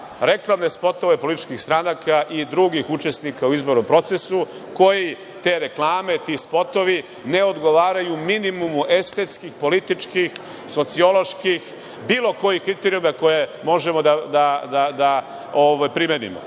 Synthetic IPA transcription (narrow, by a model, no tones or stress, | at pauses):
ɾe̞klˠamne̞spo̞t̪o̞ʋe̞po̞lit̪i̥t͡ʃkixst̪ɾanakaʔid̪ɾuɡixut͡ʃe̞snikauizbo̞ɾno̞mpɾo̞t̪se̞su | ko̞ji | t̪e̞ɾe̞klˠaːme̞t̪ispo̞t̪o̞ʋi | ne̞o̞d̪ɡo̞ʋaːɾajuminimumuʔe̞st̪e̞t̪skixpo̞lit̪it͡ʃkix | so̞t̪sio̞lo̞ʃkix | biːlo̞ko̞jihkɾit̪eɾiumako̞je̞mo̞ʒe̞mo̞d̪ad̪ad̪ad̪a | oʋajpɾimenḭmo̰